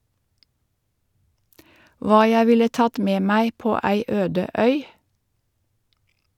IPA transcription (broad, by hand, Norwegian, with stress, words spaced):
ˈʋɑː ˈjæɪ ˈʋɪlə ˈtɑt ˈmeː ˈmæɪ ˈpoː ˈæɪ ˈøːdə ˈœʏ